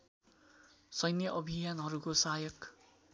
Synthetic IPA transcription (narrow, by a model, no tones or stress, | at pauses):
sʌjnjʌʔʌbʱijanɦʌɾukosajʌk